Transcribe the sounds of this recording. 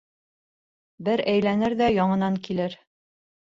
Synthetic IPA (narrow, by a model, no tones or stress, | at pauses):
bɘɾæjlænɘɾðæjɒɴɤ̆nɑŋkilɘɾ